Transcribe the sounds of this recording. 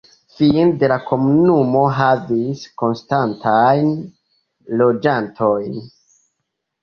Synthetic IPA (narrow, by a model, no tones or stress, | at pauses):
finde̞lakʰo̞munumo̞ɦavisko̞nstantʰajn | lo̞d͡ʒantʰo̞jn